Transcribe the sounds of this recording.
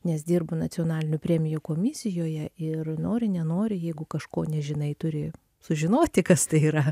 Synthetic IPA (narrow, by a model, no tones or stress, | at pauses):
nʲɛs̬d̪ʲiːrbʊnɐt͡s̪ʲɪonɑːlʲɪnʲʊpʲɾʲɛːmʲɪjukoːmʲɪsʲɪjoːjɛɪrnoːɾʲɪnʲɛnoːɾʲɪjɛɪɡʊkɐʃkoːnʲɛʒʲɪnɐɪt̪ʊɾʲɪ | sʊʒʲɪnoːt̪ʲɪkɐst̪ɐɪiːɾɐ